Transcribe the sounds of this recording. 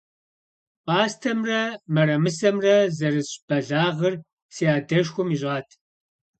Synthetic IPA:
paːstʰɐmrɐmɐɾɐmɨsɐmrɐzɐrɨsʼb̥ɐɮaːʁɐr | sijaːdɐʃxʷʊmiɕʷʼɑːtʰ

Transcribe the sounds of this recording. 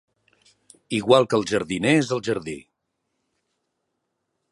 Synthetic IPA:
iɣwalˠkəlˠʒəɾðineezəlˠʒəɾðḭ

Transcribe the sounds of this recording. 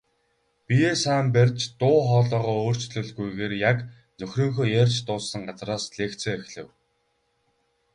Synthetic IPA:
pʲijeːsæːmpærʲt͡ɕt̪ʊːχɔːɮɔːʁɔːoːr̥t͡ɕɮɵ̆ɮɡujɣeːrjak | nɵxrɵːŋxoːjerʲt͡ɕt̪ʊːsə̆ŋɢat͡sraːsɮeːkt͡sʰœːexɮɘ̆w

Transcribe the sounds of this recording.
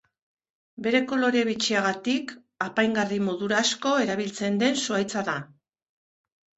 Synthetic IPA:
be̞ɾe̞ko̞lo̞ɾe̞βit͡ʃiaɣat̪ik | apajŋɡarimo̞ðuɾasko̞e̞ɾaβ̞ilt͡se̞nd̪e̞nsuajt͡saða

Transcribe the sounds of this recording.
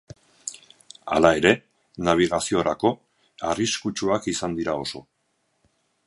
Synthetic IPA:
a̰lae̞ɾe̞ | naβ̞iɣ̞asio̞ɾako̞ | ariskut͡ʃuakisand̪iɾao̞so̞

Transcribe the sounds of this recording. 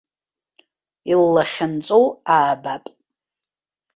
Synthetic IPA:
ilːaχʲɪnt͡sʼowaːbapʼ

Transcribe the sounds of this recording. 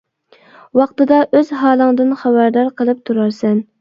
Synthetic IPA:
wɑqt̪ɨd̪ɑʔøz̥ɦɑːlˠɨŋd̪ɨnχɑbæɾd̪ɑɾqʰəlˠɨp̚t̪ʰuɾɑɾsɛn

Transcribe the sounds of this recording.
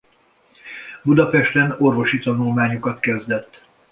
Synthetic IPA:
bud̪ɒpɛʃt̪ɛno̞rvo̞ʃit̪ɒnulmaːɲokɒt̪kɛzd̪ɛt̪ː

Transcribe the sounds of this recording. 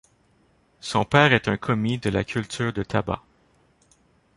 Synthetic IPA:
sɔ̃pɛːʁɛt̪ɛ̃kʰɔmid̪əla̰kʲʰylt̪ʰyːʁd̪ət̪ʰaba̰

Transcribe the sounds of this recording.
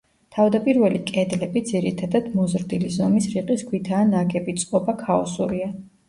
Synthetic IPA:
t̪ʰavd̪apʼiɾvɛlikʼɛd̪lɛbid̪ziɾit̪ʰad̪ad̪mɔzɾd̪ilizɔmisɾiqʼiskʰwit̪ʰaːnaɡɛbit̪sʼqʼɔbakʰaɔsuɾia

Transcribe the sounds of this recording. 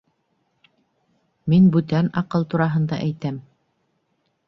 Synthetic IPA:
minbʉt̪ænɑqɤlˠt̪uɾɑɦɤ̆nd̪ɑ̰ʔæjt̪æm

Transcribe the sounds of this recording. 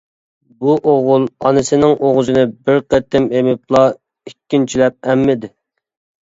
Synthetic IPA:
buʔoʁʊlˠɑ̰nɨsɪnɪŋʔoʁzɨnɪbɪɾqet̪ːɪmemɪp̚lˠɑ | ikʲːint͡ʃʰilɛp̚ɛmːɪd̪ɪ

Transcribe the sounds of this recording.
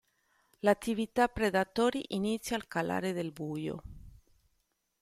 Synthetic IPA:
lat̪ːivit̪apɾeðat̪ɔɾiʔinit̪sjalkala̰ɾeðelbujo̰

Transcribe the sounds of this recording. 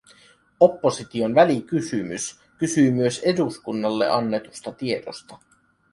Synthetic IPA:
o̞pːo̞sit̪io̞nʋælikysymys | kysyːmyø̞se̞duskunːɑlːḛʔɑnːe̞t̪ust̪ɑt̪ie̞dost̪ɑ

